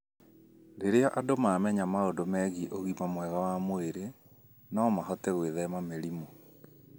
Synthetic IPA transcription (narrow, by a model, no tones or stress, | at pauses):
ɾeɾeɔʔadomamɛɲamaondomɛɣiʔoɣimamwɛɣawamoeɾe | naɔmaɦɔtɛɣweðɛmameɾimo